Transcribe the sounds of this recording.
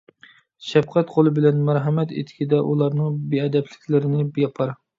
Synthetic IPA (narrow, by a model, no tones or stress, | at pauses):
ʃɛp̚qʰæt̪qʰolˠɨbɪlɛnmæɾɦɛmɛt̪ḛt̪ʰɪ̥kʲid̪ɛʔulˠɑɾnɨŋbiɛd̪ɛpʰlɪ̥kʲlɪɾɪnɪbjɑpʰɑɾ